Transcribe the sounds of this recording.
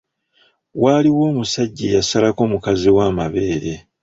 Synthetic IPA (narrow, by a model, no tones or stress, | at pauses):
waːliwo̞ːmusaɟːejasalako̞ːmukaziwaːmaβe̞ːɾe̞